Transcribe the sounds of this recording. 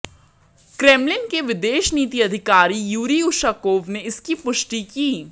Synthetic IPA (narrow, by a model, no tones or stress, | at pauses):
kɾeːmlɪnkeʋɪd̪eːʃniːt̪̬iɐd̪ʱɪkaːɾijuːɾiʊʃaːkoːʋneɪskipʊʃʈikiː